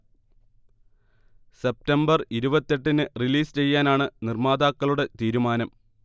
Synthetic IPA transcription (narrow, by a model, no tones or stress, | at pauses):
se̞p̚tɐmbɐriɾubɐt̪ːe̞ʈːinɨriliːst͡ɕe̞jːaːnaːɳɨnirmaːd̪aːkːɐɭuɽe̞t̪iːɾumaːnɐm